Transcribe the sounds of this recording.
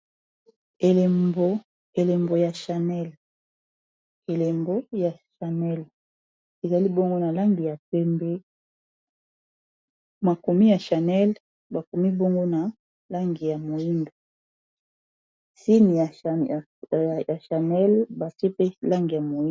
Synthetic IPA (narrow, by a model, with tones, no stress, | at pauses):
e˨lbo˨ | e˨lɛ˨mbo˨ja˨ʃa˨nɛ˦l | e˨le˨mbo˦ja˨ʃa˨nɛ˦l | e˨za˨li˦bo˦ŋɡo˦na˨la˦ŋɡi˨ja˨pɛ˦mbe˦ | ma˨ko˨mi˦ja˨ʃa˨nɛ˦l | ba˨ko˨mi˦bo˦ŋɡo˦na˨ | la˦ŋɡi˨ja˨mo˨ji˦ndo˨ | si˦ni˨a˨ | ja˨ʃa˨nɛ˦lba˨te˦pe˦la˦ŋɡi˨ja˨mo˨i˦